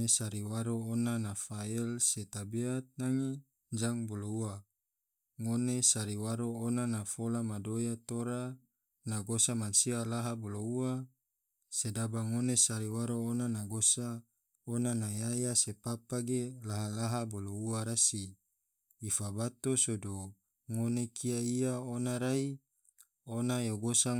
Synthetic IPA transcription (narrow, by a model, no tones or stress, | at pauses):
esaɾiwaɾoonanafaɛlset̪abiat̪̚naŋi | ɲd͡ʒaŋboloua | ŋonesaɾiwaɾoonanafolamadojat̪oɾa | naɡosamansialaɦaboloua | sedabaŋonesaɾiwaɾoːnanaɡosa | onanajajasepapaɡelaɦalaɦabolouaɾasiː | fabat̪osodo | ŋonekʰiaiaonaɾai | onajoɡosa